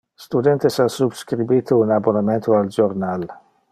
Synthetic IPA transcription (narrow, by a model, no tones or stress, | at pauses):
st̪ud̪ɛnt̪esasubskɾibiːt̪ʰounabonament̪oald͡ʒoɾnal